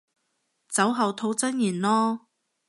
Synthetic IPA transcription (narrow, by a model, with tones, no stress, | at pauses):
t͡sɐ˨˥wɦɐ˨wt̪ʰo˧wt͡sɐ˥njiː˨˩nlɔː˥